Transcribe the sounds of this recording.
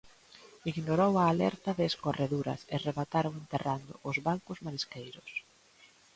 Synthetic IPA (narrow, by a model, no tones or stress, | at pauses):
iɣnoɾowɐːlɛ̰ɾt̪ɐðɪːskoreðuɾɐ̰sereβat̪aɾoŋent̪erand̪ʊ̰ʔʊzβaŋkʊzmaɾiskejɾʊs